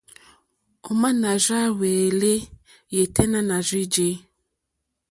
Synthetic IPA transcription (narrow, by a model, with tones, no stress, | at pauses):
o˨ma˦na˨za˦we˨le˦ | je˨tʰɛ˦nã˦na˨zi˦d͡ʒe˦